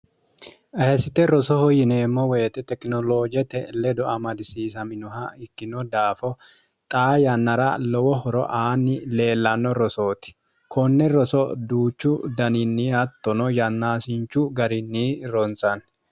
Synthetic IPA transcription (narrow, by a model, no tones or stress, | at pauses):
ʔɐhɐsɪt̪ɛɾɔsɔhɔjɪneːmːɔweːt̪ɛt̪ɛkʼnɔloːd͡ʒɛt̪ɛlɛd̪ɔɐmɐd̪ɪsiːs̬ɐmɪnɔhɐɪkːɪnɔd̪aːfɔ | t̪ʼaːjɐnːɐɾɐlɔwɔɦɔɾɔ̰ʔaːnːɪle̞ːlːɐnːɔɾɔsoːt̪ɪ̥ | kʰɔnːɛɾɔsɔd̪uːt͡ʃːʊd̪ɐnɪnːiːɐt̪ːɔnɔjɐnːaːsɪnt͡ʃːʊɡɐɾɪnːiːɾɔnt͡sʼɐn